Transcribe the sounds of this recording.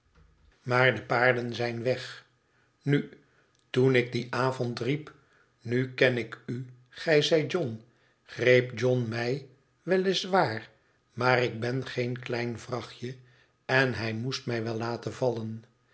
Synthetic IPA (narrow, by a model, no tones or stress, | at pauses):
maːɹdəpaːɹdənzɛjnʋɛχ | ny | tunɪɡ̚diʔaːvɔntrip | nykɛnɪky | χɛjzɛj̚d͡ʒɔn | χrejpd͡ʒɔnmɛj | ʋɛlɪsʋaːɹ | maːrɪɡ̚bɛnχejnklɛjnvrɑχjə | ɛnɦɛjmustmɛjʋɛlːaːtəvɑlən